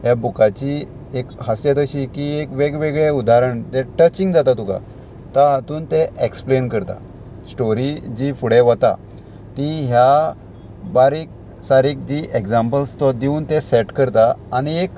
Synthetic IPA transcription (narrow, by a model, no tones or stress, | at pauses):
ɦjabukat͡ɕi | ekɦəsjat̪əɕikiekʋeɡʋeɡɭeud̪aɾəɳt̪ɛʈət͡ɕĩŋɡd͡zat̪at̪uka̰ | t̪aɦat̪uːnt̪eʔeksplenkəɾt̪a̰ | sʈoɾid͡ʑiːfuɽeʋət̪a̰ | t̪ĩɦja | baɾik̚ | saɾiːk̚d͡ʑiʔekd͡zãmpəlst̪ɔd̪iuːnt̪esɛʈkəɾt̪aːɽ̃iek